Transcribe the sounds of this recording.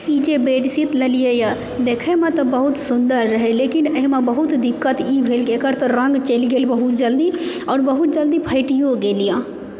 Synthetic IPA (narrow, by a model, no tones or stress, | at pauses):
id͡ʒebeːʈsit̪ləlijeja | d̪eːkʰemẽt̪ɔbəɦʊt̪sʊnd̪əɾːəɦeleːkineɦmẽbəɦʊt̪d̪ɪkːət̪ibʱeːlkekəɾt̪əɾə̃ŋɡt͡ʃeliɡeːlbəɦʊt̪̚d͡ʒəld̪iɔːɾbəɦut̪̚d͡ʒəld̪ipʰəɪʈijoɡeːlijãː